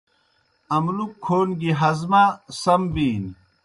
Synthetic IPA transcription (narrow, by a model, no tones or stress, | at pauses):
ɐmlukʰːoːnɡiɦɐzmasɐmbiːn